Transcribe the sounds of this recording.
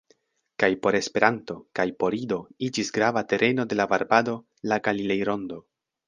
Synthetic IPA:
kajpo̞ɾe̞spe̞ɾanto̞kajpo̞ɾido̞id͡ʒisɡɾavate̞ɾʔe̞no̞de̞lavaɾbado̞ | laɡalile̞jɾo̞ndo̞

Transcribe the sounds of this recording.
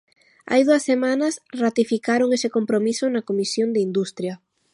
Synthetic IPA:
a̰jðuɐsːemanɐsrat̪ifikaɾoŋesɪkompɾomisonakomisjond̪eind̪ust̪ɾjɐ

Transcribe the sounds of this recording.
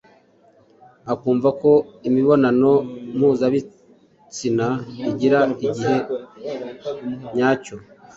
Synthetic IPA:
akuːɱvako̞imiβo̞nano̞m̥huːzaβi | t͡sinaiɟiɾaiɟiɦe̞ | ɲaːco

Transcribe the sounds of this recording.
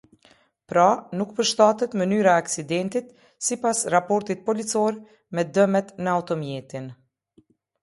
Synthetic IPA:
pɾanukpəɾʃt̪at̪ɛt̪mənyɾaɛaksid̪ɛnt̪it̪ | sipasrapɔɾt̪it̪̚pɔlit͡sɔɾ | mɛd̪əmɛt̪nəaut̪ɔmjɛt̪in

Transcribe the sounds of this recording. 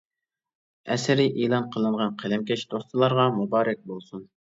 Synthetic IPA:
ɛ̰sɪɾiʔilˠɑnqʰəlˠɨɴʁɑnqʰælɛmkʲɛʃd̪ost̪ɨlˠɑɾʁɑmubɑːɾɛk̚ʲbolˠsun

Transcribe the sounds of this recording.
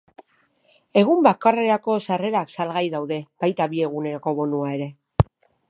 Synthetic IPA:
e̞ɣ̞umbakare̞ɾako̞sare̞ɾaksalɣajðawðe̞b̥ajt̪aβie̞ɣ̞une̞ɾoko̞βo̞nuae̞ɾe̞

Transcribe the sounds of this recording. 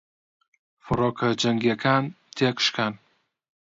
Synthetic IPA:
fʊɾɒkʰad͡ʒaŋɡʲekʰan | t̪ʰekʰɨ̥ʃkʲan

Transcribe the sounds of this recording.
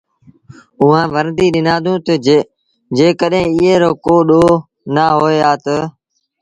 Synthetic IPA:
ʊɦãːʋəɾd̪iːɗɪnãːd̪ʱũːt̪ə | d͡ʒeːkəɗɦẽːɪɦeːɾoːkoːɗoː | naːɦoːeːaːt̪ə

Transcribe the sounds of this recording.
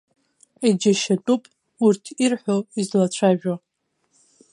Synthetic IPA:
id͡ʒaʃatʼupʼ | urtʰirħʷᶣoizlat͡ɕʷʰaʒᶣo

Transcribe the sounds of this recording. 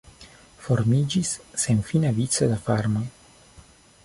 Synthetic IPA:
fo̞ɾmid͡ʒisːe̞nfinavit͡sodafaɾmoj

